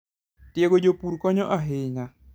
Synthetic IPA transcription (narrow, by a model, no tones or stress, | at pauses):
tjeɡod͡ʒopuɾkɔɲɔʔaɦɪɲa